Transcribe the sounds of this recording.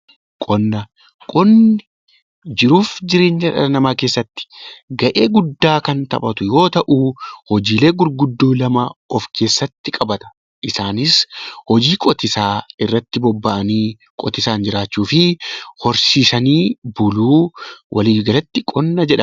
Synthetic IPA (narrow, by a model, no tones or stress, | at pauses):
kʼɔnːɐ | kʼɔnːɪ | d͡ʒɪɾuːfd͡ʒɪɾeːnd͡ʒɐᶑɐ̰ɐnɐmaːke̞ːsːɐt̪ːɪ̥ɡɐʔe̞ːɡʊd̪ːaːkɐnt̪ɐ̰bɐt̪ʊjo̞ːt̪ɐʔuːhɔd͡ʒiːle̞ːɡʊɾɡʊd̪ːoːlɐmɐɔfkʰe̞ːsːɐt̪ːɪkʼɐbɐt̪ɐ̥ | ʔɪsaːnɪshɔd͡ʒiːkʼɔt̪ɪsaːɪrːɐt̪ːɪbɔbːɐʔɐniː | kʼɔt̪ɪsaːnd͡ʒɪɾaːt͡ʃːuːfɪhɔɾsiːsɐniːbʊluːwʔɐliːɡɐlɐt̪ːɪkʼɔnːɐd͡ʒɛᶑɐ